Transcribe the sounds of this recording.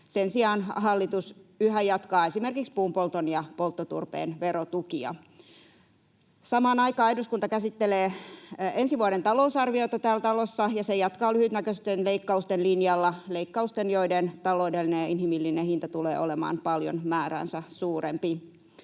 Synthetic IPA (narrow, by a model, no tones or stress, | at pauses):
sensiɑːnɦɑlːit̪usyhæjɑt̪kɑːe̞simerkikspuːmpolt̪onjɑpolt̪ːot̪ṵrpḛːnʋeɾot̪ukiɑ̰ | sɑmɑːnɑikɑːɑiduskunt̪ɑkæsit̪ːeleːensiʋuɑɾent̪ɑlousɑrʋioit̪ɑt̪æːlt̪ɑlosːɑjɑsejɑt̪kɑːlyhyt̪nækøst̪enleikːɑust̪enlinjɑlːɑleikːɑust̪enjoident̪ɑloːdelːinejɑinhimilːinehint̪ɑt̪ulḛːʔolemɑ̰ːnpɑljo̰nmæːɾæ̰ːnsɑsuːrempi